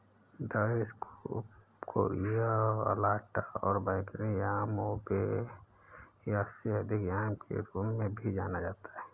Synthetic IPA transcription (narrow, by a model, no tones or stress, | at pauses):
d̪əɾesk | kʰo̰ːɾijaə̰laːʈaɔ̰ːɾbaɪkɾijaːmobe | jaseɦəd̪ʱɪkjaːmkʰḛɾuːmmẽbʱid͡ʒaːnad͡ʒaːt̪ḁɦɛː